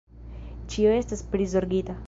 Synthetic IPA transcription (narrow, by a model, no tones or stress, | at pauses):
t͡ʃioestaspɾizoɾɡit̪a